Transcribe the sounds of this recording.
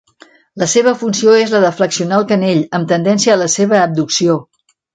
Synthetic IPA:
ləseβəfunsioezləðəfləksiunalˠkəneʎəmt̪ənd̪ɛnsiəːləseβ̞əːb̚d̪uksio

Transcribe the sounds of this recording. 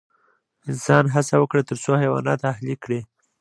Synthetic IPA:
ɪnsɑnɦasawəkɽat̪əɾsohajwɑ̰nɑt̪ahlikɽe

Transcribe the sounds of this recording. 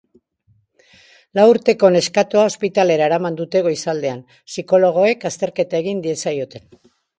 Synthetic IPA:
lauɾt̪e̞ko̞ne̞skat̪oaospit̪ale̞ɾaeɾamand̪ut̪e̞ɣo̞isald̪e̞an | siko̞lo̞ɣ̞o̞e̞kast̪e̞ɾke̞t̪ae̞ɣind̪ie̞sajo̞t̪e̞n

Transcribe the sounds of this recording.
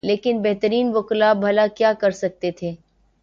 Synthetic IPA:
leːkɪnbɛɦt̪əɾiːnʋʊklaːbʱɐlakjaːkɐɾsɐk̚t̪et̪ʰeː

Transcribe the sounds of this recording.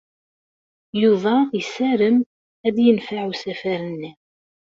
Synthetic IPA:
juðˤɑjsæɾəm | æd̪jənfaʕusæfæɾənːi

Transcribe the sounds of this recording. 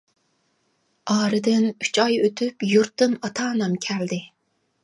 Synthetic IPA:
ɑːɾɨd̪ɪny̥t͡ʃʰɑjøt̪ʰypjuɾt̪ːɨmɑt̪ʰɑːnɑmkʲʰæld̪ɪ

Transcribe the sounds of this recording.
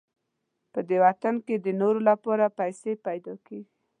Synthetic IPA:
pəd̪ewat̪anked̪ənoɾolapɑɾapajsepajd̪ɑkeɡi

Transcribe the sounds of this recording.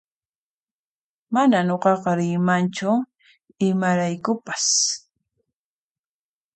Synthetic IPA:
manaɲoqɑqɑɾɪmant͡ʃʊ | ɪmaɾajkʊpḁs

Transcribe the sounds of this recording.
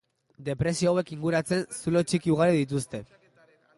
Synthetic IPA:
d̪e̞pɾe̞sioawe̞kiŋɡuɾat͡se̞nsulo̞t͡ʃikiuɣ̞aɾiðit̪̬ust̪e̞

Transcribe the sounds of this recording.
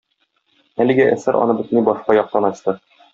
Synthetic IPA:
ælɘ̆ɡæʔæ̰sæɾʔɒ̰nɤbɘ̆t̪ɘ̆nibɒʃqɑjɒq̚t̪ɑnɒɕt̪ɤ

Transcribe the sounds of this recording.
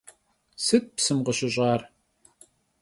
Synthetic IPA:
sɨt̚psɨmqəɕɪɕʼɑːr

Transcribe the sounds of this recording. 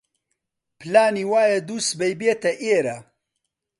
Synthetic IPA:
pʰɨlaːniːwaːjɐd̪uːsbɐjbeːt̪ɐʔeːɾɐ

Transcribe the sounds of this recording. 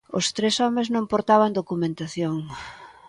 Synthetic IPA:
ʊ̰st̪ɾesɔmeznõmpoɾt̪aβ̞and̪okumẽnt̪aθjoŋ

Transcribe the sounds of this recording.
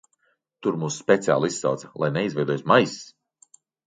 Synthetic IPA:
t̪uɾmuːsspʲet̪sia̰ːlˠissa̰wt̪sɐ̥lˠʔajnɛizvʲɛjd̪ɔjsmajs

